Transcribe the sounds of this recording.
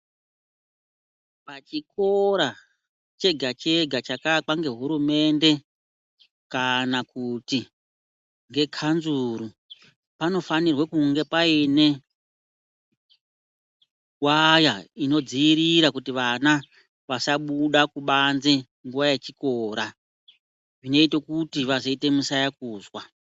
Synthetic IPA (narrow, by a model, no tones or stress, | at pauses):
pat͡ʃiko̞ɾa | t͡ʃe̞ɡʱat͡ʃe̞ɡʱat͡ʃakak͡paŋɡe̞ɦuɾume̞nde̞ | kanakuti | ŋɡe̞kʰanzuɾu | pano̞fanirwakuŋɡe̞paine̞ | wajaino̞d͡ziːɾiɾakutiʋana | ʋasaɓuɗakuɓanze | ŋɡuʋajet͡ʃiko̞ːɾa | ʐino̞itokutiʋazoite̞musajak̚uːzwa